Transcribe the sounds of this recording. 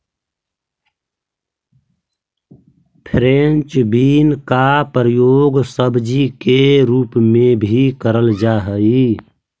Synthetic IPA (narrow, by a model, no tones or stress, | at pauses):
pʰɾent͡ʃbiːnkapɾəjoːɡsəbd͡ʒikeɾuːpmẽbʱikəɾəld͡ʒaɦəi